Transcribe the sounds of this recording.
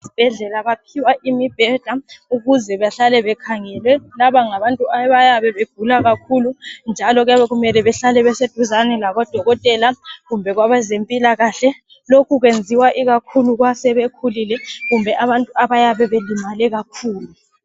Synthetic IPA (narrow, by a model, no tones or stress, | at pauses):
ib̥ʱɛɮɛlaβapʰiwaʔimib̥ʱɛɮ̥auɣuzɛβaɬalɛβɛkʰaŋɛlwɛlaβaŋaβantʼuaβajaβɛβeɡ̥ʱulaɣakʰulund͡ʒʱalɔɣjaβɛɣumɛlɛβɛɬalɛβɛsed̥ʱuzanɛlaβɔd̥ʱɔɣɔtʼɛlaɣumbʱɛɣwaβɛzempʼilaɣaɬɛ | lokʰuɣwend͡zʱiwaʔiɣakʰuluɣwasɛβekʰulilɛɣumbʱɛʔaβantʼuaβajaβɛβelimalɛɣakʰuːlu